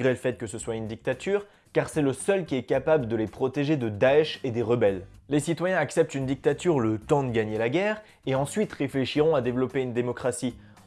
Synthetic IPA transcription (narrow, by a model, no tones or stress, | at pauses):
ʁeləfɛt̪̚kəsəswaynd̪ik̚t̪at̪ʰyːʁ | kaʁsɛləsœlkʲiɛkapabləd̪əlepχɔt̪eʒed̪əd̪aɛʃed̪eʁəbɛllesit̪wajɛ̃aksɛp̚t̪ynd̪ik̚t̪at̪yʁlət̪ɑ̃d̪əɡaɲelaɡʲɛʁ | eɑ̃sɥit̪ʁefleʃiʁɔ̃ad̪evlɔpeynd̪emɔkχasi